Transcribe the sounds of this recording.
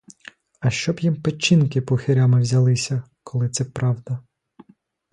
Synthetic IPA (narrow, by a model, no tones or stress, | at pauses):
ɐʃt͡ʃɔbjimpet͡ʃːinkɪpɔxɪɾʲamɪwzʲɐlˠɪsʲɐkɔlˠɪt̪sɛpɾɑwd̪ɐ